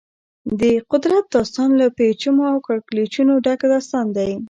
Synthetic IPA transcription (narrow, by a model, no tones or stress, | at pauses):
d̪əqʊd̪ɾat̪̚d̪ɑst̪ɑnlapet͡ʃumoawkaɽklet͡ʃunoɖakad̪ɑst̪ɑnd̪aj